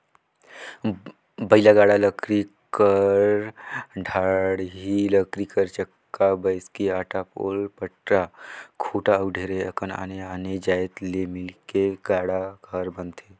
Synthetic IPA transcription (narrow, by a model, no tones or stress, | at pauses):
bəɪlaɡaːɽaləkɾi | kəɾɖʱaːɽɦiləkɾikəɾt͡ʃəkːabəɪskiaːʈapo̰ːlpəʈɾakʰoʈaəwɖʱeːɾeəkəna̰ːneaned͡ʒaːjt̪lemɪlkeɡaːɽakʰəɾbənt̪ʰe